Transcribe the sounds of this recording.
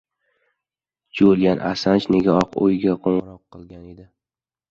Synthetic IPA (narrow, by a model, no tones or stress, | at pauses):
d͡ʒolɡʲanʔasant͡ʃne̞ɡʲaɒqʰo̰jɡʲaqʰoɴʁɨɾɒqːɨlˠɡʲaned̪ɪ